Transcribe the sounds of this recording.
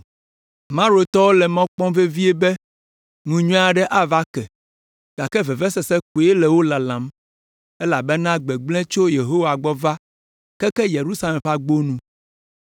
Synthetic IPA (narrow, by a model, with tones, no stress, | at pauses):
mã˦ɾo˨t̪ɔ˦wo˦lɛ˨mɔ̃˦k͡pɔ̃˦ve˦vi˦e˦bɛ˦ | ŋũ˨ɲũ˦a˨ɖɛ˦ʔa˦va˦kɛ˨ | ɡ̥a˨kɛ˦vɛ˨vɛ˦sɛ˨sɛ˦k̚u˨e˦lɛ˨wo˦la˨lã˨m | ɛ˦la˨bɛ˦nã˦ɡ͡bɛ˨ɡ͡blɛ̃˦t͡ʃo˦je˨ɦo˦wa˨ɡ͡bɔ˦va˦ | kɛ˦kɛ˦je˨ɾu˦sa˦lɛ̃˨mɸa˦ɡ͡bo˦nũ˦